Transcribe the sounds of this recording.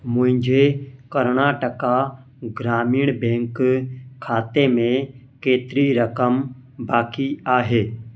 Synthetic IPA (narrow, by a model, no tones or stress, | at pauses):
mʊ̃ɦɪ̃ɲd͡ʒʱekəɾnaːʈəka | ɡɾaːmiːɽ̃bẽːŋkkʰːaːt̪emẽ | keːt̪ɾiɾəkəm | baːkiaːɦeː